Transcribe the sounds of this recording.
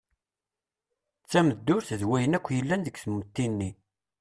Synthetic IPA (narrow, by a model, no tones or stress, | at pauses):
t͡sːæməd̪ːʊɾθəðwæjənækʷːjəlːænðəɡθmːt̪ːinːi